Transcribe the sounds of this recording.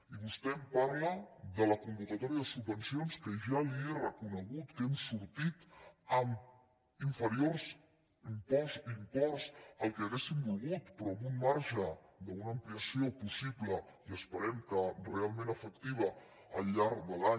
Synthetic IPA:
iβust̪ɛmpaɾləðələkumbukət̪ɔɾiəðəsubːənsionskəʒalierəkunəɣut̪kemsuɾt̪it̪əm | iɱfəɾiorz | impɔzimpɔrzəlˠkɛəɣesimbulˠɣut̪pɾɔəβunmaɾʒəðəunəːmpliəsiopusibləiəspəɾɛmkərealˠmẽnəfək̚t̪iβ̞ə | ə̰lʎaɾkd̪əla

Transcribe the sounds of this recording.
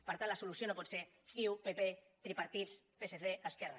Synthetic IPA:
paɾt̪alasolusjonopɔt̪se | θiupepe | t̪ɾipaɾt̪it̪s | peseθeaskɛra

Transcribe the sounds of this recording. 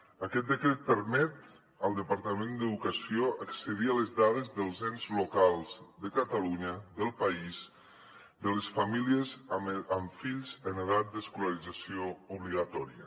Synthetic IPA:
əkɛt̪̚d̪əkɾɛt̪̚pəɾmɛt̪ | əlˠd̪əpaɾt̪əmẽnd̪əðukəsioʔəksəðialəzðaðezðəlˠzɛnzlukalˠzd̪əkət̪aluɲəðəlˠpaiz | d̪ələsfamiliəzəɱfiʎzəneð̞at̪̚d̪əskuləɾid͡zasiouβliɣat̪ɔɾiə

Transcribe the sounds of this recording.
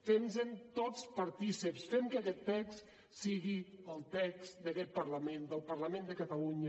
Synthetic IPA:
fenzənt̪ot͡spɐɾt̪isəpsfemkakɛt̪ːɛks | siɣiəlˠt̪ɛksd̪əkɛt̪̚pəɾləmẽnd̪əlˠpəɾləmẽnd̪əkət̪aluɲə

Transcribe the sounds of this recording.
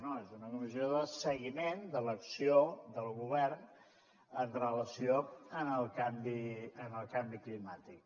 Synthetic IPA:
noezunəkumizioðəsəɣimend̪ələksiod̪əlˠɣuβɛrn | ənrələsioənəlˠkambiənəlˠkambiklimat̪ik̚

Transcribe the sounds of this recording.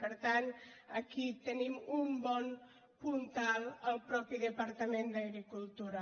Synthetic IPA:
pəɾt̪anəkit̪ənimumbɔn | punt̪alˠəlˠpɾɔpiðəpaɾt̪əmend̪əɣɾikulˠt̪uɾa

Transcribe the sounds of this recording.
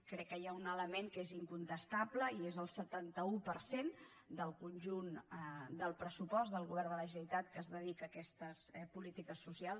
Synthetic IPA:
kɾɛkːəjaunələmeŋkeziŋkunt̪əst̪abləiezəlˠsət̪ant̪əupəɾsen | d̪əlˠkunʲʒund̪əlˠpɾəsupɔzd̪əlˠɣuβɛrd̪ələʒəjt̪at̪̚kəzðəðikəːkɛst̪əspulit̪ikəsːusialˠ

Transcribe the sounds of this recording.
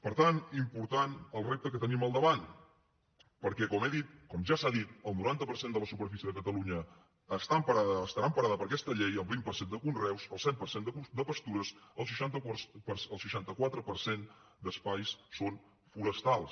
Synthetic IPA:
pəɾt̪animpuɾt̪anəlˠrep̚t̪əkət̪əniməlˠd̪əβan | pəɾkɛkɔmeðit̪̚kɔmʒasaðit̪əlˠnuɾant̪əpəɾsend̪ələsupəɾfisiəðəkət̪əluɲəː | st̪ampəɾaəst̪əɾaəmpəɾaðəpəɾkɛst̪əʎejəlˠbimpərsend̪əkunrɛwsəlˠsɛmpərsend̪əud̪əpəst̪uɾəsəlˠsʃ̬əʃant̪pəsəlˠʃəʃant̪əkwat̪ɾəpəɾsen | d̪əspajsson | fuɾəst̪alˠs

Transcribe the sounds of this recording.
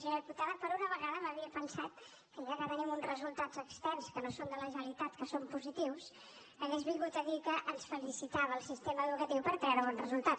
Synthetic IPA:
ʒənɾput̪aðəpəɾunəβəɣaðəməβiəpənsat̪̚ | kənakət̪ənimunzrəzulˠt̪ḁd͡zəkst̪ɛnskənosond̪ələʒəəlit̪at̪kəsompuzit̪iws | əɣezβiŋɡut̪əðikəʔənsfəlisit̪aβəːlˠsist̪eməəðukət̪iwpəɾt̪ɾɛɾəβɔnrəzulˠt̪at

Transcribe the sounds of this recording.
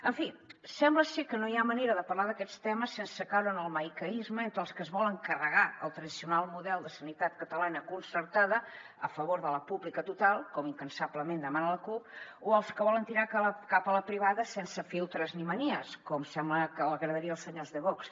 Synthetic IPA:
əɱfisɛmbləsekənojiaməneɾəðəpɐɾlaðəkɛst̪ɛməsːensəkawɾənəlˠməjkəizməent̪əlˠskəzβɔlˠəŋkərəɣ̞aə̰lˠt̪ɾəðisiunalˠmuðɛlˠd̪əsənit̪at̪̚kət̪əlanəkunsəɾt̪aðə | əfəβoɾðələpuβlikət̪ut̪alˠkɔmiŋkənsabləmend̪əmanələkup̚oəlˠskəβɔlənt̪iɾakkapələpɾiβaðəsɛnsəfilˠt̪ɾəzniməniəskɔmsɛmbləkələɣɾəðəɾiəlˠsəɲazðəβɔks

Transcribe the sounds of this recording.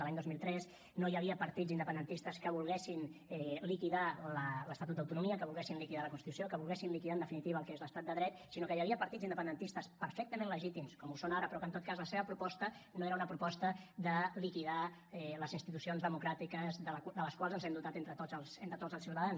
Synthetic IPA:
laɲd̪ozmilˠt̪ɾɛs | nojəβiəpəɾt̪id͡zind̪əpənd̪ənt̪ist̪əskəβulˠɣɛsinɛlikiðalələst̪at̪ut̪̚əwt̪unumiəkəβulˠɣɛsinlikiðaləkunsit̪usiokəβulˠɣɛsinlikiðaənd̪əfinit̪iβəːlˠkezləst̪at̪̚d̪əðɾɛt̪sinokəjəβiəpəɾt̪id͡zind̪əpənd̪ənt̪ist̪əspəɾfɛk̚t̪əmẽnləʒit̪imskɔmusonaɾəpɾɔkənt̪ot̪̚kazləseβəpɾupɔst̪ənoeɾəunəpɾupɔst̪əðəlikiða | ɛləzinst̪it̪usionzðəmukɾat̪ikəzðəld̪ələskwalˠzənzɛmd̪ut̪at̪ent̪ɾət̪oəlˠsent̪ɾət̪ozəlˠsiwt̪əðans

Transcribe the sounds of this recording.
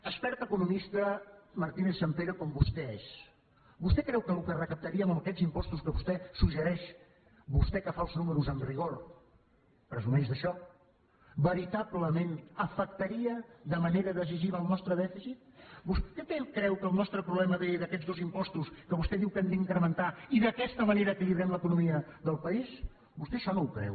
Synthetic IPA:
əspɛɾt̪əkunumist̪əməɾt̪ineθsəmpeɾəkɔmbust̪ɛes | bust̪ɛkɾɛwkəlukərəkəp̚t̪əɾiəməməkɛzimpɔst̪uskəβust̪ɛsuʒəɾɛʃ | bust̪ɛkəfaəlˠznuməɾuzənriɣ̞oɾ | pɾəzumɛzðəʃɔ | bəɾit̪aβləmenəfək̚t̪əɾiəðəməneɾəðəziʒiβəːlˠnɔst̪ɾəðɛfisit̪̚buskɛt̪ekɾɛwkəlˠnɔst̪ɾəpɾuβlɛməððəkɛd͡zzðozimpɔst̪uskəβust̪ɛðiwkənd̪iŋkɾəmənt̪aiðəkɛst̪əməneɾəːkiliβɾɛmləkunumiəðəlˠpəis | bust̪ɛʃɔnowkɾɛ̰w

